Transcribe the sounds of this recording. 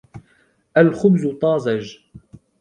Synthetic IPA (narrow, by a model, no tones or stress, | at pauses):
ʔalxʊbzʊt̪ˤɑːzˤɑʒ